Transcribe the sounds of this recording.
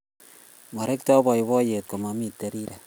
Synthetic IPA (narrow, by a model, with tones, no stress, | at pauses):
ma˨ɾe˦k̚tɔ˦bɔ˨jbɔ˦je˨t̚ko˨ma˨mi˦tːe˨ɾi˦ɾa˨